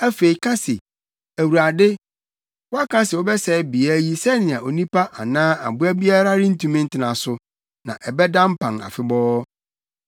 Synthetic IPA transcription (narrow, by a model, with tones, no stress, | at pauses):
æ˦fe˨i˨kʰã˦sɪ̰˨ | æ˨wu˨ɾa˨dɪ˦ | wɔ˦a˦kʰã˦sɪ˨ɔ˦bɛ˦sɛ˨bi˨a˦ji˦sɛ˦nɪ̃˨ã˨o˨nĩ˦pa˦ʔa˨nãː˦a̰˨bʊ˦æ˦bi˦a˦ɾa˦ɾɪ̃˦n̩˦tʰũ˦mɪ̃˦n̩˦tʰɪ˨nã˨sʊ˨ | nã̰˨ʔɛ˨bɛ˦dã˦m̩˦pʰã˨ŋa̰˨fɪ˦bɔː˦